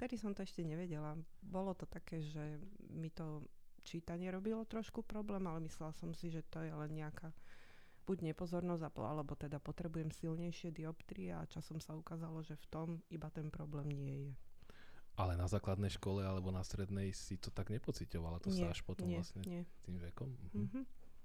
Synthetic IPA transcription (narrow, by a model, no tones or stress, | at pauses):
ft̪ɛd̪isɔmt̪ɔɛʃcɛɲɛʋɛɟɛlabɔlɔt̪ɔt̪akɛːʒɛmit̪ɔ | t͡ʃiːt̪aɲɪɛɾɔbilɔt̪ɾɔʃkupɾɔblɛːmalɛmislɛlasɔmsiʒɛt̪ɔjɛlɛnɲɛaka | b̥uɟɲɛpɔzɔɾnɔzapɔ̰a̰lɛbɔt̪ɛd̪apɔt̪ɾɛbujɛmsilɲɛjʃɪɛd̪iɔpt̪ɾiɛa̰t͡ʃasɔmsaukaːzalɔʒɛft̪ɔmibat̪ɛnpɾɔblɛːmɲɪɛjɛ | ʔalɛnazaːklad̪nɛjʃkɔlɛalɛbɔnast̪ɾɛd̪nɛjsit̪ɔt̪aɡɲɛpɔt͡sicɔʋalat̪ɔɲsɪaɛaʃpɔt̪ɔmɛasɲɛɲɛt̪imʋɛkɔm̩ɦm̩ɦ̩